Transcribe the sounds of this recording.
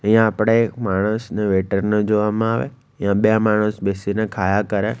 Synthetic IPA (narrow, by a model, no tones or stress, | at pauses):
ijãapɽ̃ekmaːɽ̃əsneʋeːʈəɾned͡ʒoʋamãaːʋḛ | ijãɓjãmaːɽ̃əsbesinekʰaːjakəɾe